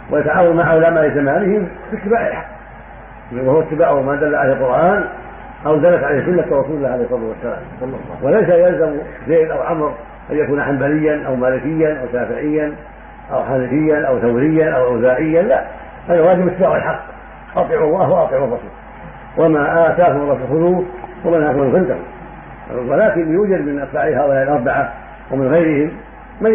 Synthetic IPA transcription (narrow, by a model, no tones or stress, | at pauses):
wʔɪʔat̪aʕaːwanmaʕalaːmalɪzamaːnɪhɪmfit̪ːɪbaːʕʔɪlħaqː | whuwat̪ːɪbaːʕʔʊmad̪alːaʕalalqʊɾˤʔaːn | ʔawd̪alːat̪ʕalasʊnːat̪rˤrːɑsuːlɪlːaːʕalejhsˤɑd̪iwasːala̰ːmwɑlˤːɑ̰lˤːɑ̰ːwʔɪlajsajalzamzeːlʔawʕamɾ | ʔanjakuːnaħambalɪjːanʔawmaːlɪkɪjːanʔawʃaːfɪʕɪjːan | ʔawħaːnɪfɪjːanʔawθawɾɪjːanʔawʔawzaːʔɪjːanla | ʔanːawaːdimɪt̪ːaːʕalħɑqː | ʔɑt̪ˤɨʕuːʔaɦʔɑt̪ˤɪʕurˤːɑsṵːl | wʔamaʔasaːkamɑlˤːɑːfɪlxʊðuːwamɪnhakʊmalɣɪnt̪ak | walaːkɪnlɪjuːd͡ʒad̪mɪnʔasfaːʕɪhaːʔʊlaːʔɪlʔɑɾˤbaʕa | awɪmɪnɣajɾɪhɪmː | a